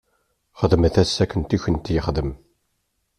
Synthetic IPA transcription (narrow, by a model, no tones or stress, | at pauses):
χəðmθæsːækːənt̪içənt̪jəχðəm